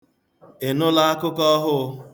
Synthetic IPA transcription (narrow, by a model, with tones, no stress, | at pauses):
e˨nʊ˦la˦a˦kʊ˦kɔ˦ɦʊ˦